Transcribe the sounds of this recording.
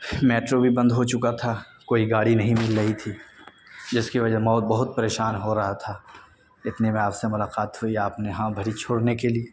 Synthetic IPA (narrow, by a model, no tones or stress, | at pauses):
meːʈɾobʱibɐ̃nd̪ɦot͡ʃʊkat̪ʰa | koːiɡaːɽinɐɦĩmɪlɾɐɦit̪ʰiː | d͡ʒɪskiʋɐd͡ʒəmɔːt̪̚bɐɦʊt̪̚pɐɾeːʃaːnɦoɾɐɦat̪ʰaː | ɪt̪nemẽaːpsemʊlaːqaːt̪ɦʊiaːpneɦãbʱɐɾit͡ʃʰoːɽnekelie